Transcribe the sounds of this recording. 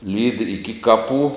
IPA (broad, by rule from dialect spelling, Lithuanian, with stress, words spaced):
lʲiːtʲ ɪkʲɪ ˈkɑːˌpuː